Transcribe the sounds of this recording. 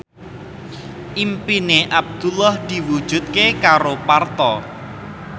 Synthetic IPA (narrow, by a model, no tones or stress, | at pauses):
ʔimpineʔab̚d̪̥ulahd̪̥i̤wud̥ʒ̥ṳt̪̚kekaɾopart̪ɔ